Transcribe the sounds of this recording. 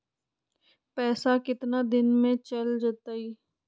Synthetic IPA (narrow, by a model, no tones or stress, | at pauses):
pɛːsakɪt̪nad̪ɪnmẽt͡ʃəld͡ʒat̪aːiː